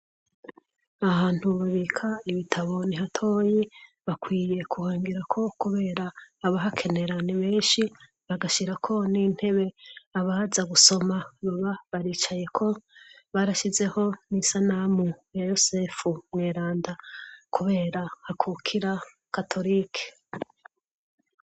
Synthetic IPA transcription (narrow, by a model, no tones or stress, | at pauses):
ahaːnthuβaβikʰaiβitʰaβo̞niɦatʰo̞ːji | βakwiːje̞kʰuhaːŋɡiɾakʰo̞kuβe̞ːɾaːβaɦakʰe̞ne̞ɾaneβe̞ːnʃi | βaɡaʃiɾakʰo̞nin̥he̞βe̞aβazaɡuso̞maβaβaβaɾiːt͡ʃaje̞kʰo̞ | βaɾaʃize̞ho̞nisanamuajosefumŋeːɾaːndakuβe̞ːɾahakʰukʰiɾa | katʰo̞ɾiːkʰe̥